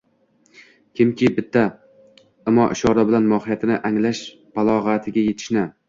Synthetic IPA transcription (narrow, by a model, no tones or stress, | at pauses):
kʲʰɪmkʲʰɪbɪt̪ʰːa | ɪmɒʔɪʃɒɾɒbɪlanmɒhɪjat̪ʰɪnɪʔaŋlaʃ | b̥alˠɒʁat̪ʰɪɡʲaje̞t̪ʰɪ̥ʃnɪ